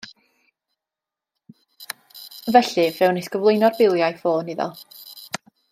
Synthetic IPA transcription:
vɛɬɨvɛwnɪskəvlˠʊjnɔrbɪlˠjajfoːnɪðɔ̰lˠ

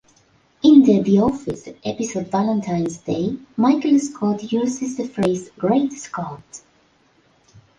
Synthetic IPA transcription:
ɪ̃nðədiɔfɪsʔɛpɪsodvalə̃ntʰãɪ̃nzdeɪmaɪkəlskʰɔtʰjʉːzɪzðɨfɹeɪzɡɹeɪtskʰɔt

